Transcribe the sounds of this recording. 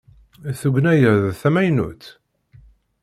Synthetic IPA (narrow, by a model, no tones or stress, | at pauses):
θuɡnæjəɾðθæmæjnṵt̪